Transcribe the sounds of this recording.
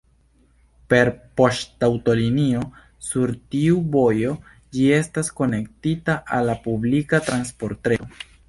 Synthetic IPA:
pe̞ɾpo̞ʃtawto̞linio̞ | suɾtiubo̞jo̞ | d͡ʒie̞stasko̞ne̞ktitaʔalːapublikatɾanspo̞ɾteo

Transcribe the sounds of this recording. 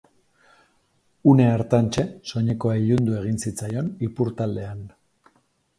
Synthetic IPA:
une̞ːɾt̪ant͡ʃe̞so̞ɲe̞ko̞aiʎund̪ue̞ɣ̞insit͡sajo̞nipuɾt̪ald̪e̞an

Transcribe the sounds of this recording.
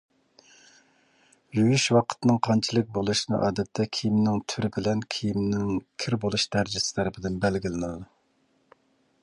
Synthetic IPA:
jyjyʃwɑqʰə̥t̪nɨŋqʰɑnt͡ʃʰilˠɨk̚ʲbolˠuʃinɨ̰ʔɑːd̪ɛt̪ʰːɛkʲʰijimnɪŋt̪ʰyɾɪbɪlɛnkʲʰijimnɪŋkʲʰɪɾbolˠuʃd̪æɾd͡ʒɪsɪ̥t̪ʰɛɾɪpʰɪd̪ɪnbɛlɡʲilɪnɨd̪ˠɨ

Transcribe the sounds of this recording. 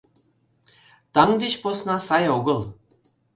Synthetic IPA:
t̪ɑŋd̪eɕposnɑsɑjoɣɤ̆lˠ

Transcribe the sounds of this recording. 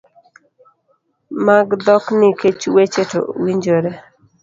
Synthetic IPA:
maɡd̪ɔknɪket͡ʃwet͡ʃeto̰wiɲd͡ʒoɾe

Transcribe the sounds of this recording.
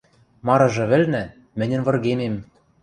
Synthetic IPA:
mɑɾɤ̆ʒɤ̆βɘ̆lnæ | mɘ̆nʲɘ̆nvɤ̆rɣemem

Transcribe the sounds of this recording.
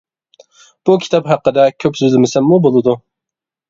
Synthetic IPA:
b̥ukʲʰi̥t̪ʰɑpɦæqːəd̪ɛkʲʰøpsøzɪmɪsɛmːubolˠɨd̪u

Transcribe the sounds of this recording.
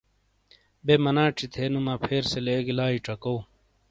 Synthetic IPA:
bemɐnaːʈ͡ʂʰit̪ʰeːnumaːpʰeːɾseleːɡilaːiʈ͡ʂɐkoː

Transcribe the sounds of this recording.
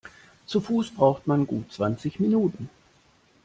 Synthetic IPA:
t͡sufuːsb̥ʁaʊxtmanɡṵːt̚t͡sv̥ant͡sɪçminuːtn̩

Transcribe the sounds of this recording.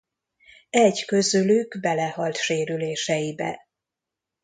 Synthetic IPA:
ɛɟkø̞zylyɡbɛlɛhɒlt̪ʃeːɾyleːʃɛjibɛ̰

